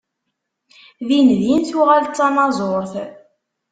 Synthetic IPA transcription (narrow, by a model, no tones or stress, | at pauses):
ðinðinθuʁaltt͡sːɑnɑzˤoɾθ